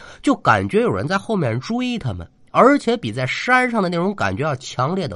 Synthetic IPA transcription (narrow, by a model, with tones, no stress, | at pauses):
t͡ɕjo˥˩ʊka̰˨˩nt͡ɕɥɛ˧˥jo˨˩ʊɻə̰˧˥nt͡sa˥˧ɪxo˥˧ʊmjɛ˥˩nʈ͡ʂu˥˧i˥˩t̪ʰa˧mə̰˨n | ə˞˧˥t͡ɕʰjɛ˧˥pi˨˩t͡sa˥˩ɪʂa˥nʂɑ˥˩ŋd̪ə˩na˥˩ʈ͡ʂʊ˧˥ŋka̰˨˩nt͡ɕɥɛ˧˥j̪ɑ˥˩ʊt͡ɕʰjɑ˧˥ŋljɛ˥˩d̪ə̰˩